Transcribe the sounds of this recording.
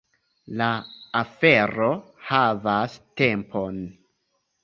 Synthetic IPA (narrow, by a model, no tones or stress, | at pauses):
laːfe̞ɾo̞ | havaste̞mpʰo̞n